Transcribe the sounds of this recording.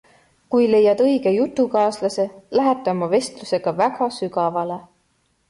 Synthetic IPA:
kujle̞jːɑd̪̥ɤjɡ̥e̞jut̪ːˑukɑːslɑse̞læɦet̪ːˑeomɑve̞st̪luse̞ɡ̥ɑvæɡ̥ɑsyɡɑvɑle̞

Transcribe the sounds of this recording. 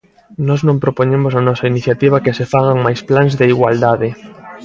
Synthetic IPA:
nɔznõmpɾopoɲemosanɔsɐiniθjat̪iβ̞akɪsefaɣaŋmajsplanzðeiɣwald̪aðɪ

